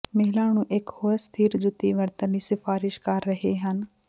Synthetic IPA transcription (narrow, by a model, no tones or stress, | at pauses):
məɦɪlaːnũːʔɪkhoːst̪ʰiːɾd͡ʒʊt̪iːʋəɾt̪ənliːsɪfʰaːɾɪʃkəɾːəɦeːɦən